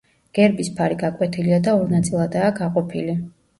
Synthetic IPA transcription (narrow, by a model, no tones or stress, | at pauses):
ɡ̥ɛɾbispʰaɾiɡakʼwɛt̪ʰiliad̪aɔɾnat̪sʼilˠad̪aːɡaqʼɔpʰili